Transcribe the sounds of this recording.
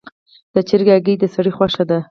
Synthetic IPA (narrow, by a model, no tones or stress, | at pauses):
d̪̥ət͡ʃɪɾɡaɡəjd̪əsaɽixwaʂad̪a